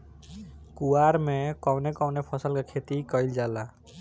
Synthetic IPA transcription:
kuaɾmẽkɔwnekɔwnepʰɔsəlkakʰet̪ikɔild͡ʒaːla

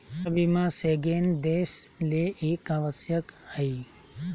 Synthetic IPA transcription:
səbimãseɡeːnd̪esleʔekaːʋəsjəkhəi

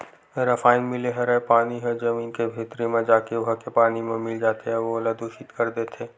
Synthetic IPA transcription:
ɾɐfaːɪnmɪleɦɐɾɛpaːniɦɛd͡ʒɐmiːnkebʱeːt̪ɾimẽd͡ʒaːkeʋʊɦakepaːnimẽmɪld͡ʒaːt̪eɦɛʋoɐləd̪uʃit̪kɐɾd̪et̪ʰeː

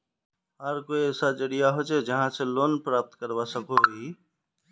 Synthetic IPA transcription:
ɦəɾkoːiɛːsad͡ʒəɽijaɦot͡ʃeːd͡ʒəɦãseloːnpɾaːp̚t̪kəɾʋasəkʰoiː

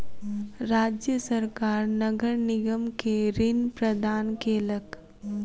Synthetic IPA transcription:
ɾaːd͡ʒjəsəɾkaːɾnɐɡəɾnɪɡəmkeɾɪnpɾəd̪ʱaːnkeːlək

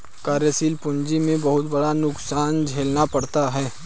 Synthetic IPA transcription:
kaːɾjəsiːlpʊɲd͡ʒimẽbɐɦʊt̪bɐɽanʊksaːnd͡ʒʱeːlnapɐɽt̪aɦɛː

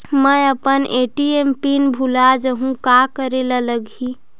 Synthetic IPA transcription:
məjəpənʔeʈiempinbʱulad͡ʒəɦũkakəɾelələɡʱi

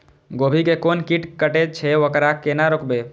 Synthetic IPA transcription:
ɡobʱikekonkiʈkəʈet͡ʃʰɛokɾakenaɾokbe

